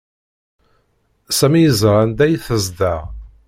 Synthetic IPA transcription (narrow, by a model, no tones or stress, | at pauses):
sæmijəzʁˤand̪æjθəzd̪æ